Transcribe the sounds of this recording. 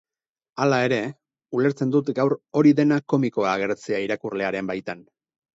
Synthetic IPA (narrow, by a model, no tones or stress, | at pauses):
alae̞ɾe̞ | ule̞ɾt͡se̞nd̪ut̪ɡawɾo̞ɾiðe̞nako̞miko̞aːɣ̞e̞ɾt͡seaiɾakurle̞aɾe̞mbajt̪an